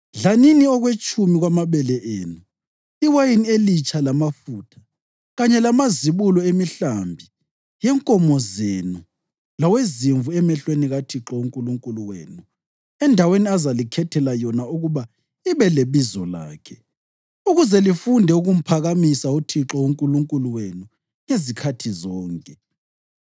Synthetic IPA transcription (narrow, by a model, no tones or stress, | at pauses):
ɮaniniɔɣwet͡ʃʼumiɣwamaβɛlɛʔḛːnu | iwajinielit͡ʃʼalamafuːtʰḁ | ɣaɲɛlamaziβulɔemiɬambʱi | jɛŋkʼɔmɔzenu | laweziɱvuɛmɛɬweniɣatʰiǁɔuŋkʼuluŋkʼuluwḛːnu | ɛndʱaweniazalikʰɛtʰɛlajɔnauɣuβa | iβɛleβizɔla̰ːkʰɛ | uɣuzɛlifundʱɛuɣum̩pʰaɣamisautʰiǁɔuŋkʼuluŋkʼuluwenu | ŋezikʰatʰizɔːŋkʼɛ